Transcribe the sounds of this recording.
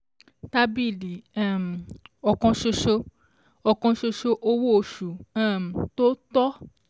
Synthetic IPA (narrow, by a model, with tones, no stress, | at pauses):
ta˧bi˦˨li˨˦ã˦˨m˨ɔ˨kɔ̃˧ʃo˧ʃo˧ | ɔ˨kɔ̃˧ʃo˧ʃo˧ʔo˧wo˦o˧˨ʃu˨ã˦˨m̩˨to˦tɔ˦